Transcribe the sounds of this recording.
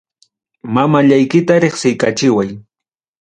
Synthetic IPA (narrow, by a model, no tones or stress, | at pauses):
mamaʎajkɪt̪aɾeχsɪjkat͡ʃɪwaj